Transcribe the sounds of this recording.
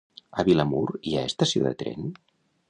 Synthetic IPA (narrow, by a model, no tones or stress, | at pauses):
əβilamuɾiaest̪əsioðə̰t̪ɾɛ̰n